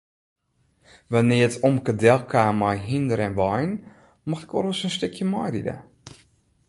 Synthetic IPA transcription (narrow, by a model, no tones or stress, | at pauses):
ʋanɪəətʰomkədɛlˠkʰaːmɔjɦindəɾɛnʋɔjn | mɔxɛkɔ̰ləsənstøkʰjəmɔjdḭdə̰